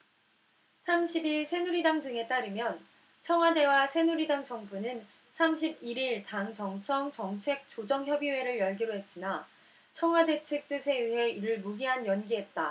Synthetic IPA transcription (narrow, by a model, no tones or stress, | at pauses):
sʰamɕʰibiɭsʰe̞nuɾidaŋdɯŋe̞t͈aɾɯmjʌn | t͡ɕʰʌŋɦwade̞wasʰe̞nuɾidaŋd͡ʑʌŋbunɯn | sʰamɕʰibiɾiɭtaŋt͡ɕʌŋt͡ɕʰʌŋt͡ɕʌŋt͡ɕʰe̞k̚t͡ɕ͈od͡ʑʌŋçjʌbiwe̞ɾɯɭjʌɭɡiɾoɦe̞s͈ina | t͡ɕʰʌŋɦwade̞t͡ɕʰɯk̚t͈ɯsʰe̞iɦe̞iɾɯɭmuɡiɦanjʌnɡiɦe̞t̚t͈a